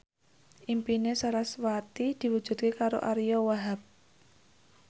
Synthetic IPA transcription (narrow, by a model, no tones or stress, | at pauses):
ʔimpinesaɾaswat̪id̪̥i̤wu̥d͡ʒ̥ṳd̪̚kekaɾo̰ʔaɾijɔwaɦap̚